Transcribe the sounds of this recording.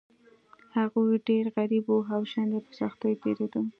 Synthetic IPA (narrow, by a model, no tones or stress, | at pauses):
haɣujɖeɾɣaɾiboɦawʃand̪epəsɑxt̪ojt̪eɾed̪u